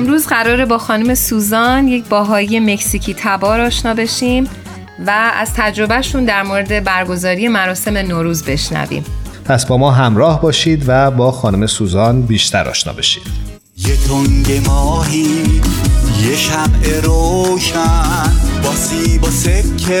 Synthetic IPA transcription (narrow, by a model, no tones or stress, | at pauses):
mɾuːzɢæɾɒːɾebɒːxɒːnume̞suːzɒːnje̞cʰbɒːɦɒːjije̞me̞csicʰiːt̪ʰæbɒːɾɒːʃnɒːbe̞ʃiːm | vææ̰z̥t̪ʰæd͡ʒɾo̞bæʃuːnd̪æɾmoːɾe̞d̪e̞bæɾɡo̞zɒːɾije̞mæɾɒːse̞me̞noːɾuːzbe̞ʃnæ̰vḭːmpʰæsbɒːmɒːɦæmɾɒːhbɒːʃiːd̪væbɒːxɒːnume̞suːzɒːnbiːʃt̪ʰæ̰ɾʔɒ̰ːʃnɒ̰ːbe̞ʃi̥ːdd̪̥ | jet̪ʰoŋɟemɒːɦi | jeʃæmʔeɾoʃænbɒːsibɔsekʰːe